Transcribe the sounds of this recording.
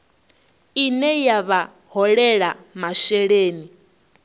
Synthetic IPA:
inɛjaβa | hɔɺɛɺamaʃɛɺeːni

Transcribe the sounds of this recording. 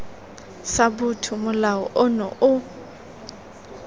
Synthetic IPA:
sabʊtʰʊmʊlaɔʔʊnɔʔʊ

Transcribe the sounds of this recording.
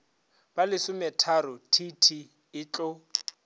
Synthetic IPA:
b̥alɪsʊmɛtʰaɾʊtʰitʰi | ɪt͡ɬʼɔ

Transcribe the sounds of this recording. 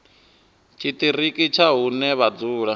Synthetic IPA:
t͡ʃʰit̪ʼiɾikʼit͡ʃʰaɦunɛβad͡zuːɺa

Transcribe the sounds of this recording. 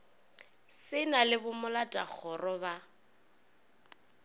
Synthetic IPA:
sɪnalɪbʊmʊlatʼak͡xʰɔrɔba

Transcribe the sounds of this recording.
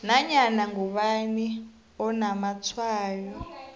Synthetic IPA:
naɲanaŋɡuɓani | ɔnamat͡sʰwaːjɔ

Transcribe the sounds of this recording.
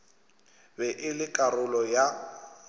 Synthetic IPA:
bɛʔɪlɪkʼarʊlɔja

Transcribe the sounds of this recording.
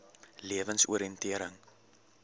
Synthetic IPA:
liəvənsuəɾiəntiəɾəŋ

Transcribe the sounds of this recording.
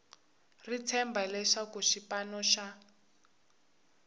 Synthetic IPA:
rit͡sʰɛmbalɛʂakuʃipanɔʃa

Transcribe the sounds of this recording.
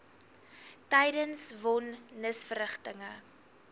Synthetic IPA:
tɛjdənsvɔnːəsfəɾəχtəŋə

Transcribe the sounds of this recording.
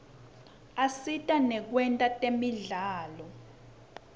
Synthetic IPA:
asitʼanɛk̬wɛntʼatʼemiɮaːlɔ

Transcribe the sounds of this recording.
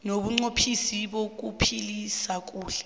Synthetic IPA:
noɓuŋ͡ǀopʰisiɓok̬upʰilisak̬ʼuːɬɛ

